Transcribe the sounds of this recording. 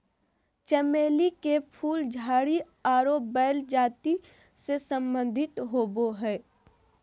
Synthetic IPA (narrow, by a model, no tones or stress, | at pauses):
t͡ʃɛmeːlikepʰuːld͡ʒʱaːɽi | aːɾoːbbɛːld͡ʒaːt̪i | sesə̃mbə̃nd̪ʱɪt̪ɦoːboɦɛː